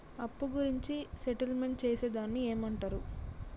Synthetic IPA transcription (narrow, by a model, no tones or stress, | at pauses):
ɐpːuɡuɾiɲt͡ʃiseʈɐlme̞ɳʈ̚t͡ʃeːseːd̪aːnːieːmɐɳʈaːɾu